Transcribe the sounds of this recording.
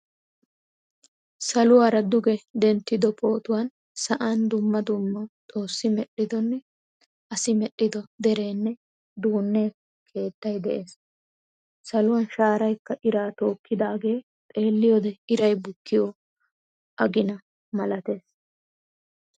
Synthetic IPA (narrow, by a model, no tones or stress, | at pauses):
sɐlʊwaːɾɐd̪ʊɡɛd̪ɛnt̪ːɪd̪ɔpʰo̞ːt̪ʊwan | sɐʔand̪ʊmːɐd̪ʊmːɔt̪ʼo̞ːsːɪmɛɗːɪd̪ɔnːɛ | ʔɐsɪmɛɗːɪd̪ɔd̪ɛɾe̞ːnːɛ | d̪uːnːe̞ː | kʰe̞ːt̪ːɐjd̪ɛʔe̞ːs | sɐlʊwɐnʃaːɾɐjkːɐʔɪɾaːt̪o̞ːkːɪd̪aːɡe̞ː | t̪ʼe̞ːlːɪjɔd̪ɛɪɾɐjbʊkːɪjɔ | ʔɐɡɪnɐ | mɐlɐt̪e̞ːs